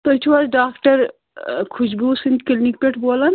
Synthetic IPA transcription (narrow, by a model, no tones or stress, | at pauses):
t̪oit͡ʃʰʋaɾɖaːkʈəɾ | kʰud͡ʒbʱusĩnkilnik̚peʈʰboːlən